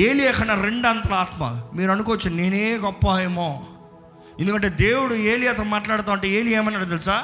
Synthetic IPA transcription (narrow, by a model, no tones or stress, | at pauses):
eːlieːkʰɐnɐɾeɳɖant̪ɐɾaːt̪mɐ̰miːɾɐnukoʋɐt͡ʃːineːneːɡɔpːaːjɐmoː | ḛnd̪ukɐɳʈe̞ːd̪eːwuɽueːliɐt̪̬ɐmaːʈlaːɽt̪aːwɐɳʈeːeːlieːmɐnːɐɽt̪elisaː